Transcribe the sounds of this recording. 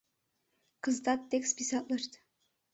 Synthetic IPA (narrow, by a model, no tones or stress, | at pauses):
kɤ̆zt̪ɑt̪ːekspʲisɑt̪lˠɤʃt̪